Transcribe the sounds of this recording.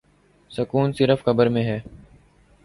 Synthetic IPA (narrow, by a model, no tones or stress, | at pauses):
səkuːnsɪɾəfkəbəɾmẽːɦɛː